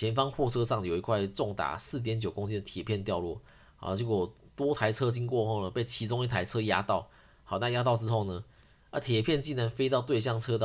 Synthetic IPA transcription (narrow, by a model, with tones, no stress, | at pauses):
jɛ˧˥nfɑ˥ŋxwɔ˥˧t͡sʰɤ˥ʂɑ˥˩ŋjo˨˩ʊi˧˥kʰwa˥˧ɪʈ͡ʂʊ˥˩ŋt̪a̰˨˥sɹ̩˥˩t̪̬jɛ˨˦nt͡ɕjo˨˩ʊkʊ˥ŋt͡ɕjɛ˥nd̪ə˨t̪ʰjɛ˨˩pʰjɛ˥˧nt̪jɑ˥˧ʊlwɔ̰˥˩˨ | t͡ɕi˥˩kɔ˨˩t̪wɔ˥t̪ʰa˧˥ɪt͡sʰɤ˥t͡ɕi˥nkwɔ˥˧xo˥˩ʊnə˨˩pe˥˩ɪt͡ɕʰi˧˥ʈ͡ʂʊ˥ŋi˥˩t̪ʰa˧˥ɪt͡sʰɤ˥ja̰˥t̪ɑ˥˨ʊ | hɑ˨˩ʊna˥˧ja˦˥t̪̬ɑ˥˧ʊʈ͡ʂɻ̩˦xo˥˩ʊnə˩ | ə˥˩t̪ʰjɛ˨˩pʰjɛ˥˧nt͡ɕi˥˩nɻa˧˥nfe˥ɪt̪̬ɑ˥˧ʊt̪we˥˧ɪɕ̬jɑ˥˩ŋt͡sʰɤ˥t̪ɑ˥˨